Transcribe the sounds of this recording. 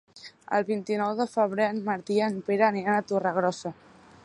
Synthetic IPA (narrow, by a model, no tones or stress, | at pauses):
ə̰lˠβint̪inɔwðəfəβ̞ɾeənmaɾt̪iənpeɾaneanat̪oraɣ̞ɾɔsa